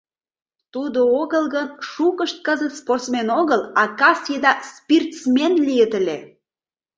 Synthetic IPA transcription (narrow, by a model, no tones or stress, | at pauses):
t̪ud̪ooɣəlɣənʃukəʃt̪̚kəzət̪sport̪smenoɣəlɑkɑsjed̪ɑspirt̪smenlijət̪əlʲe